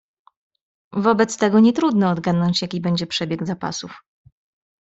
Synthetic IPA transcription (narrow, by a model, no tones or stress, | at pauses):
vɔbɛt̪st̪ɛɡɔɲɛt̪ɾud̪nɔːd̪ɡad̪nɔɲt͡ɕjakʲibɛɲd͡ʑɛpʂɛbʲjɛɡzapa̰suf